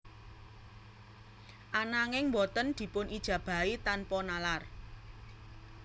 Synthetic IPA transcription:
ʔanaŋɪŋmbɔt̪ənd̪̥i̤pʊnʔid̥ʒ̥ä̤b̥a̤it̪anpɔnalar

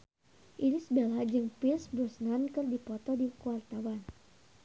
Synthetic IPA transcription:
ʔinisəbelad͡ʒɨŋpilsbursnankɨrdipɔt̪ɔdikuart̪awan

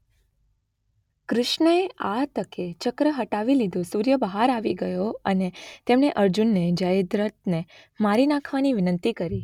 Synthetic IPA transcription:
kɾɪʃɳəeʔat̪əket͡ʃəkɾəɦəʈaʋilid̪ʱosuɾjəbəɦaɾaʋiɡəjoənet̪emɳeʔəɾd͡ʒunːed͡ʒəjd̪ɾət̪̚ne | maɾinãkʰʋaniʋɪnənt̪ikəɾi

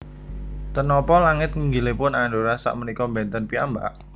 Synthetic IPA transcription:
t̪ənɔpɔlaŋɪt̪̚ŋəŋɡilepʊnaɳɖoɾasa̰ʔmənikɔmbɛnt̪ənpia̰mba̰ʔ

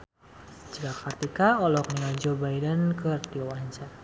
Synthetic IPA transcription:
t͡ʃəɡakart̪ikaɔlɔk̚niŋald͡ʒobajdənkʰərt̪iowaɲt͡ʃa

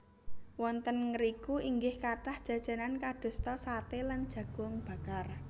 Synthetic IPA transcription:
wɔnt̪ənŋəɾikuiŋɡɪhkaʈahd̥ʒ̥a̤d̥ʒ̥ä̤nankad̪̥o̤st̪ɔsat̪eland̥ʒ̥ä̤ɡ̥ʊ̤ŋb̥a̤kar

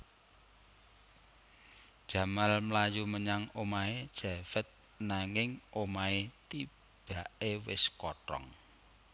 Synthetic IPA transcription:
d̥ʒ̥ä̤malmlajuməɲaŋomaed̥ʒ̥afɛt̪̚ | naŋɪŋʔomaet̪i | b̥a̤ʔewɪ̰skɔʈɾɔ̰ŋ

